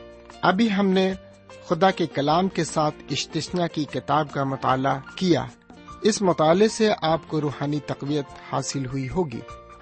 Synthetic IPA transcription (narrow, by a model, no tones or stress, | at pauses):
ɐbʱiɦɐmne | xʊd̪akekɐlaːmkesaːt̪ʰɪʃt̪ɪʃnakikɪt̪aːb̚kamʊt̪a̰ːlakija̰ː | ɪsmʊt̪aːleseʔaːpkoɾuːɦaːnit̪ɐqʋijət̪haːsɪlɦʊiɦoːɡḭː